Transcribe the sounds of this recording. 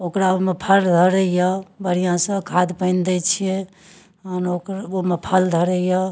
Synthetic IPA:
okɾaomepʰəld̪ʱəɾəjɔbəɾijãsə̃kʰad̪pəɪnd̪ɛt͡ʃʰije | ənokɾomepʰəld̪ʱəɾəjɔ

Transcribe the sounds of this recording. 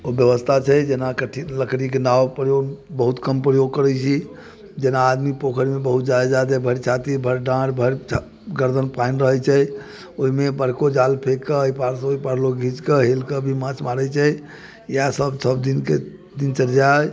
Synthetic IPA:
objəʋəst̪ʰat͡ʃʰɛjd͡ʒenakəʈʰiləkɾikenawpɾjoɡbəɦut̪kəmpɾəjoɡ̚kəɾɛt͡ʃʰi | d͡ʒenaːd̪mipokʰəɾimebəɦut̪̚d͡ʒajad͡ʒad̪əbʱəɾt͡ʃʰat̪ibʱəɾɖãɽbʱəɾt͡ʃʰ | ɡəɾd̪ʱənpanɾəɦət͡ʃʰɛ | oɦimebəɾkod͡ʒalpʰekːeəipaɾsə̃oipaɾloɡʱit͡ʃkeɦelkebʱimãt͡ʃmaɾət͡ʃʰɛ | jasəbsəbd̪inke | d̪int͡ʃəɾd͡ʒa

